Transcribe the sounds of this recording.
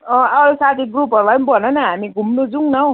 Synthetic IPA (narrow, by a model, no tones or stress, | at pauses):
ʌ̃ʌɾusat̪ʰiɡrupʌɾulapʌnbʌnʌnʌɦamiɡʱumnod͡zuŋnʌw̃